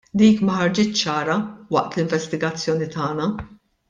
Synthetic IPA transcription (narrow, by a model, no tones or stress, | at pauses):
d̪iːkmɐħɐɾd͡ʒɪt͡ʃːt͡ʃːɐːɾɐwɐʔt̪lɪɱvɛst̪ɪɡɐt͡sːjɔːnit̪ɐːnɐ